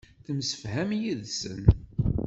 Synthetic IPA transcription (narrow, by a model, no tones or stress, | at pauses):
θəmsə̥fhæmjiðsə̰n